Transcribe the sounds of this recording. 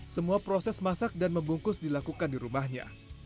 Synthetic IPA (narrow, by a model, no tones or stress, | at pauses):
səmuapɾosɛsmasak̚danməmbuŋkʊsdilakukandiɾumahɲa̰